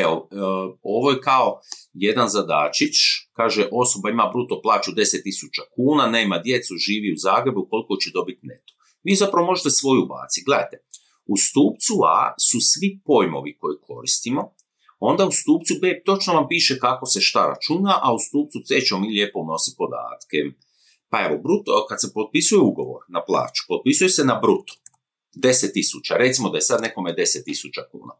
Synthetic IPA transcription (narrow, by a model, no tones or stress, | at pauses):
eo | o̞ʋojekao̞je̞d̪anzad̪a̰ːt͡ʃit͡ʃkaːʒeʔo̞so̞baimabɾut̪oplˠaːt͡ʃud̪e̞set̪ːisut͡ʃakuːnane̞ːmad̪je̞t̪suʒiːʋiuzaːɡɾe̞buko̞likot͡ɕed̪o̞bit̪net̪o | ʋiːzapɾaʋo̞mo̞ʒet̪esʋo̞juuba̰ːt̪siɡle̞d̪a̰jt̪e̞ | ust̪uːpt̪sua̰susʋipo̞jmo̞̰ʋiko̞jikʰo̞ɾist̪imo̞ | o̞nd̪aust̪uːpt̪subeːt̪o̞t͡ʃnoʋampiːʃekako̞se̞ʃt̪aɾa̰t͡ʃunaʔaust̪uːp̚tsut̪eːt͡ʃemomiːlʲjeːpouno̞si̥po̞d̪a̰ːt̪ke | pae̞ʋobɾut̪okad̪sepo̞t̪̚pisujeuɡo̞ʋo̞̰ɾnaplˠa̰ːt͡ʃu̥pot̪̚pisujesenabɾut̪o̥ | d̪e̞set̪ːisut͡ʃaɾe̞t̪simod̪ajesad̪ne̞ko̞med̪e̞set̪ːisut͡ʃakṵːna̰